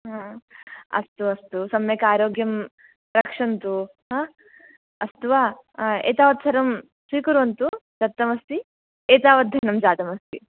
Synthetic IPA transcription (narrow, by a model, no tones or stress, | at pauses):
ɦa | ɐ̰st̪uɐst̪usɐmjeːkaːɾoːɡjɐm | ɾɐkʂɐnt̪u | ɦa | ɐst̪ʋaːḛːt̪aːʋɐt̪sɐɾɐm | sʋiːkuɾuʋɐnt̪ud͡ʒɐt̪ːɐmɐst̪i | eːt̪aːʋɐd̪ʱɐnɐmd͡ʒaːt̪ɐmɐst̪i